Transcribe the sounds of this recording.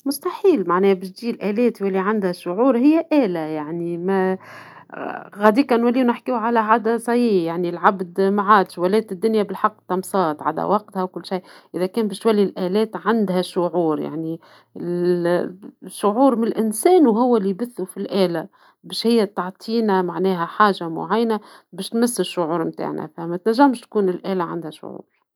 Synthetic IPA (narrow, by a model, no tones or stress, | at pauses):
mʊst̪aħiːlmaʕnɛːbɪʃd̪iːlʔæːlɛːt̪jwælːiʕand̪hæʃʊʕuːɾɦɪjːæʔæːlæjaʕnimæ | ɣæd̪iːkænwælːiːwnɪħkiːwʕalæʕad̪æsˤɑjijaʕnilʕabd̪maʕaːd̪ʃwælɛːt̪ɪd̪ːʊnjæbɪlħɑqːt̪ːɑmsˤɑːt̪ʕa̰d̪æ̰wɑq̚t̪hawkʊlːʃajʔɪðækɛːnbɛːʃt̪wælːilʔæːlɛːt̪ʕand̪hæʃʊʕuːɾja̰ʕni | ɪ | ʃːʊʕuːɾmɪnɪlʔɪnsɛːnwɦʊwːælːibɪθːufilʔæːlæ | bɛːʃhɪjːæt̪ɑʕt̪ˤʰiːnæmaʕnɛːɦæħaːʒamʊ̰ʕajːnæbɛːʃt̪mɪsːɪʃːʊʕuːɾmt̪a̰ːʕnæ̰fæmæt̪næʒːæmʃt̪̚kuːnɪlʔæːlæʕa̰nd̪hæʃʊ̰ʕṵːɾ